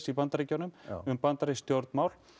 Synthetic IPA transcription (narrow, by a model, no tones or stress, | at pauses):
sipant̪aɾɪcawnʏmʏmpant̪aɾɪst̪joɾt̪nmaːwl̥